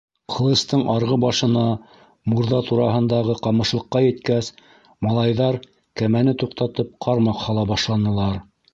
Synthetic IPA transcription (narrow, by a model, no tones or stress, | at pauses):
qʰɤ̆lˠɤ̆st̪ɤɴʔɑɾʁɤbɑʃɤ̆nɑ | muɾðɑt̪uɾɑɦɤ̆nd̪ɑʁɤqɑmɤ̆ʃlˠɤ̆qːɑjɘ̆t̪kæs | mɑlˠɑjðɑɾ | kæmænɘt̪uqt̪ɑt̪ɤp̚qʰɑɾmɑqhɑlˠɑbɑʃlˠɑnɤ̆lˠɑɾ